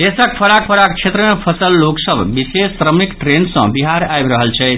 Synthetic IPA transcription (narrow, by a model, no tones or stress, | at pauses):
d̪esək̚pʰəɾak̚pʰəɾak̚t͡ʃʰet̪ɾəmepʰəsəlːoksəbbisesːɾəmikʈɾensʌ̰̃biɦaɾajbɾəɦəlt͡ʃʰɛ